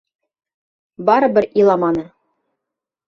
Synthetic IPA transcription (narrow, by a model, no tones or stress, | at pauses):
bɑɾɤ̆bɘɾilˠɑmɑnɤ